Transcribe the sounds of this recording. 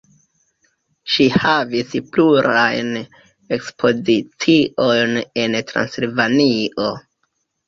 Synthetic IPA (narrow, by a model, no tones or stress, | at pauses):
ʃihavispluɾa̰jn | e̞kspʰo̞zit͡siʔo̞jne̞ntɾa̰nsilvaniʔo̞